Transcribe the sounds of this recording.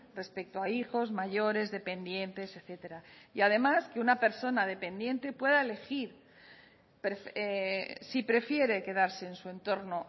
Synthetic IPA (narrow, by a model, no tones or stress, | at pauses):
re̞spe̞k̚t̪oaixo̞zmaʝo̞ɾe̞zðe̞pe̞nd̪je̞nt̪e̞seθe̞t̪e̞ɾaiað̞e̞maske̞unape̞ɾso̞nað̞e̞pe̞nd̪je̞nt̪e̞pwe̞ðaele̞xiɾ | pɾefesipɾe̞fje̞ɾe̞ke̞ð̞aɾse̞ːnsue̞nt̪o̞ɾno̞